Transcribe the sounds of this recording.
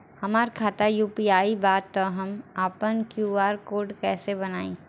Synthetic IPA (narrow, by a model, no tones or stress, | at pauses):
hɐmaːɾkʰaːt̪ajuːpiaːibaːt̪ːoɦɐmaːpənkjuːaːɾkoːɾɖkɛːsebɐnaːĩː